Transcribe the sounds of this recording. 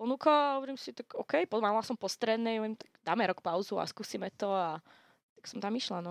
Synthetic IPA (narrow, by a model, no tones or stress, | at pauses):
pɔnuːkaaɦɔʋɔɾiːmsit̪akɔkɛjpɔt̪ɔmamalasɔmpɔst̪ɾɛd̪nɛɔʋɛmt̪ḁɡd̪aːmɛɾɔkpaʊzua̰skuːsimɛt̪ɔa | t̪aksɔmt̪amiʃlanɔ